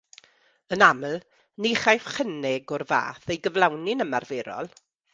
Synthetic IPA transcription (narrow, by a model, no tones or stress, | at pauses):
ənamlˠ | niχajfχənɛɡɔrva̰ːθejɡəvlˠawnɪnəmarveɾɔ̰lˠ